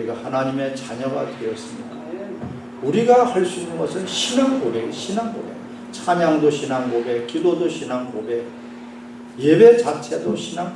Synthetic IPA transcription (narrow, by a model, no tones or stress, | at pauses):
iɡahanaɲime̞t͡ɕaɲʌɡa̰dwe̞ʌs͈ɯmɲida | uɾiɡahaɭs͈uinːɯnɡʌsʰɯnɕʰinankobeɡiɕʰinanko̰bḛ | t͡ɕʰamjaŋdoɕʰinanɡobek͈ilːodoɕʰinankobe | je̞be̞t͡ɕat͡ɕʰedoɕʰinaŋ